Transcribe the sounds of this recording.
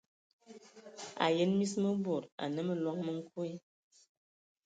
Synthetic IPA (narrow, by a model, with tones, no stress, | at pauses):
a̰˨jə˦nmi˦smə˦bo˨ɾa̰˨nə˦mə˨lwɔ˦ŋ̚mə˦ŋ̩˦ku˦i˦